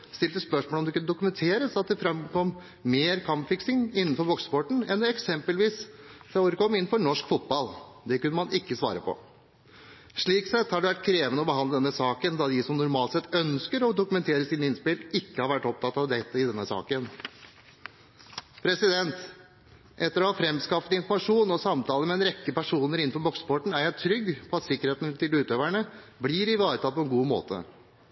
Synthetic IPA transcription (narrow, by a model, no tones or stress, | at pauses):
st̪ɪlt̪əspœʂmoːlɔmd̪ɛkʉnəd̪ʊkʉmɛnt̪ʰeːɾəsɑt̪̚d̪ɛfɾɑmkʰɔmː | meːɾkʰɑmpfɪksɪŋɪnːnfɔɾbɔksə̥pɔʈɳ̩ɛnd̪ɛɛksɛmpəlʋiːssæoːɾəkɔmːɪnn̩fɔɾɳɔʂkfʊt̪̚bɑl | d̪ɛkʉnːəmɑnʔɪkːəsʋɑ̰ːɾəpʰɔ̰ | ʂɭiːksɛt̪ːhɑɖʉʋæʈ̚ːkʰɾeːʋənəɔbəɦɑnd̪əd̪ɛnːəsɑːkənd̪ɑd̪ɪsɔmnʊɾmɑːlt̪sɛt̪ːœnskəɾɔd̪ʊkʉmɛnt̪ʰeːɾəsiːnəɪnspɪlɪkːəhɑɾʋæʈːɔp̚t̪ʰɑt̪ːɑʋd̪ɛt̪ːəɪd̪ɛnːəsɑ̰ːkən | pʰɾɛsɪd̪ɛnt̪ | ʔɛt̪ːəɾɔhɑːfɾɛmskɑfət̪ɪnfɔɾmɑʂuːnɔsɑmt̪ʰɑːləmɛːnɾɛkːəpæʂuːnəɾɪn̩ːfɔɾbɔkspʰɔʈɳ̩æɾjæɪt̪ʰɾʏɡːpʰɔɑt̪sɪkːəɾheːt̪n̩t̪ʰɪlʉːt̪øːʋæɳəblɪɾɪʋɑːɾət̪ɑːlpʰɔɛnɡuːmo̰ːt̪ʰə̰